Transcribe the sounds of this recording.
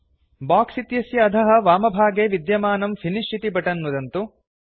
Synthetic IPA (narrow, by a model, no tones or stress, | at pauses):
baːksit̪jɐsjɐːd̪ʱɐɦɐ̆ʋaːmɐbʱaːɡeːʋid̪jɐmaːnɐmfʰiniʃʈʰit̪ibɐʈɐnmud̪ɐnt̪u